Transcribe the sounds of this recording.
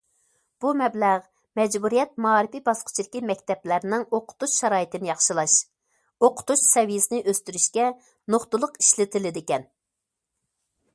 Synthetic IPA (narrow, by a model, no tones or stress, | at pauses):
b̥umɛblæʁ | mɛd͡ʒbuɾijɛt̪̚mɑɑːɾɪpibɑsqʰʊ̥t͡ʃʰildɪkʲimɛk̚ʲt̪ɛplæɾnɪŋoqʰʊ̥t̪uʃʃːɑɾɑːjit̪ɪnɪjɑχʃɨlˠɑʃ | oqʰʊ̥t̪uʃsɛvijɪsɪnɪʔøst̪yɾyʃkʲɛ | noχt̪ʊlˠʊqi̥ʃlɪt̪ʰɪlɪd̪ɪkʲɛn